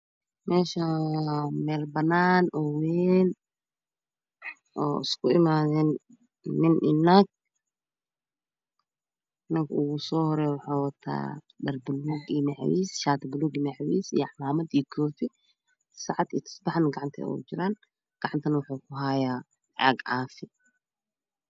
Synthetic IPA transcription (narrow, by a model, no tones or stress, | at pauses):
mɛːʃɐ | mɛːlbɐnːaːnɔweːn | ʔɔːɪ̰skʰʊɪmaːðɛːnː | ɪnʔɪnːaɡ̚ | nɐŋkʰʔʊɣʊsɔːhɔɾɛːwʊħaːwɐt̪ʰa̰ː | ɖɐrbʊluɡimɛʕ̰wḭːsʃaːt̪ʰbʊluɡimɛʕwḭːsḭjʕmaːmɐd̪iːkʰɔːtɪ | sɑʕɑd̪it̪ʰɐ̥sbɑħanɡɑʕɑnt̪ʰɐ̰ɔ̰t͡ʃɪɾaːn | ɡ̥ɑʕɑnt̪ʰɐnɐwħuːkʰʊɦajaː | ʕɑ̰ɡʕɑːfɪ